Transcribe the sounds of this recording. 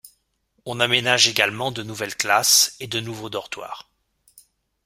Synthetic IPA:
ɔ̃namenaʒeɡalmɑ̃d̪ənuvɛlklased̪ənuvod̪ɔʁt̪wa̰ːʁ

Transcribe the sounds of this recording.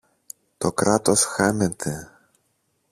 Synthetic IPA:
t̪o̞kɾɐt̪o̞sxɐnet̪ʰe

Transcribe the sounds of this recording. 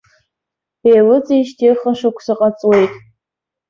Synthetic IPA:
ejlɨt͡sʼiʃtʰirχaʃakʷʰsɨqʼat͡sʼwejtʼ

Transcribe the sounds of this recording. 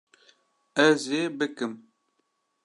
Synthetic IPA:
ɛzeːbɨkɨm

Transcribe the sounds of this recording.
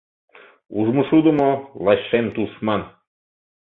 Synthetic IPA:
uʒmoʃud̪ə̆molɑɕʃemt̪uʃmɑn

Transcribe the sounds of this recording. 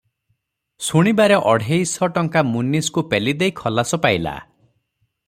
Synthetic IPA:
suɽ̃ibaɾeʔɔɽʱejsɔʈɔŋkamuniskupelid̪ejkʰɔlasɔpajla̰

